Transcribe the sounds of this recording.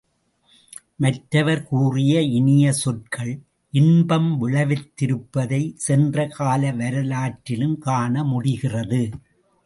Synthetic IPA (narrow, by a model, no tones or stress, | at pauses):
mɐʈɾɐʋɐɾkuːrɪjɐɪnɪjɐsɔʈkɐɭ | ʔɪnbɐmʋɪɭɐʋɪt̪ːɪɾɯpːɐðɐɪsɛndrɐkaːlɐʋɐɾɐlaːʈːɪlɯmkaːɳɐmʊɽɪɣɪrɐðɯ